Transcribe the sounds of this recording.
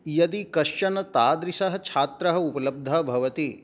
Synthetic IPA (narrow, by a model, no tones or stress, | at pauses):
jɐd̪ikɐʃjɐnɐt̪aːd̪ɾisɐɦɐ̆t͡ʃʰaːt̪ɾɐɦɐ̆upɐlɐb̚d̪ʱɐbʱɐʋɐt̪i